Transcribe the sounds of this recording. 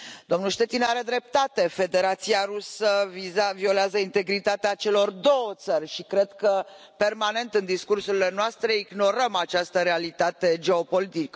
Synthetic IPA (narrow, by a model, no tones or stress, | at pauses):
d̪̥o̞mnulʃt̪e̞t̪inaɾe̞d̪ɾe̞p̚t̪at̪e̞fe̞d̪e̞ɾat̪siaɾusəviavio̞leazəint̪e̞ɡɾit̪at̪eat͡ʃe̞lo̞rd̪o̞wət̪sərʲʃikɾe̞d̪kə | pe̞rmane̞nt̪ɨnd̪iskursuɾile̞noast̪ɾe̞iɡno̞ɾəmat͡ʃast̪əɾealit̪at̪e̞d͡ʒe̞o̞po̞lit̪ikə